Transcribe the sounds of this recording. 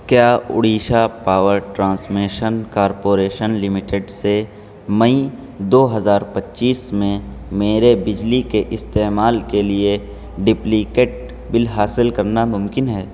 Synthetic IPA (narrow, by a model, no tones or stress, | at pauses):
kjaːʊ̰ɽiːʃapaːʋəɾʈɾãːsmiːʃənkaːɾpoːɾeːʃənlɪmɪʈeɖse | mɐi | d̪oːɦɐzaːɾpətːʃiːsmẽmeːɾebɪd͡ʒlikeʔɪst̪eːmaːlkelie | ɖɪplikeːʈ̚ | bɪlɦaːsɪlkɐɾnamʊ̃mkɪnɦɛː